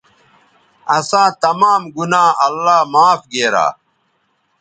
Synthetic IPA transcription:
ɐsãːt̪ɐmaːmɡunãːɐlːaːmaːfɡeːɾa̰ː

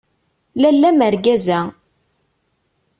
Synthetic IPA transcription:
lælːæməɾɡæzæ

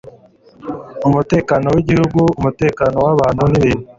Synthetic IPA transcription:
umute̞ːkaːnowiɟihuɡuumute̞ːkaːnowaβaːnhuniβeːnu

